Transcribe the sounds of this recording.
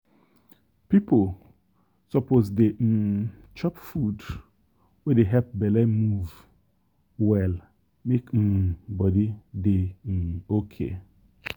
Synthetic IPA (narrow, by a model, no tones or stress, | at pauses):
pipʰol | sɔpozdem̩t͡ʃɔpfud | wedeɦɛp̚bɛlɛmuv | wɛl | mekm̩bɔdide | okʰḛ